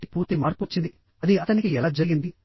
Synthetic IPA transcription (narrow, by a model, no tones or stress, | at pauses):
ʈi̥puːɾt̪imaːɾput͡ʃːind̪i | ɐd̪iɐt̪ɐnikiɛlaːd͡ʒɐɾɡind̪i